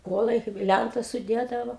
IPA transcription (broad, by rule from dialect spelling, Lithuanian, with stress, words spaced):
ˈkuɔlˠɐɪ kɐɪp ˈlʲæntɐs sʊˈdʲeːdɐʋoː